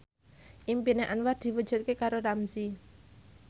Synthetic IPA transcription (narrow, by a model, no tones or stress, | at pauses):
ʔimpineʔanward̪̥i̤wud̥ʒ̥ṳt̪̚kekaɾoramzi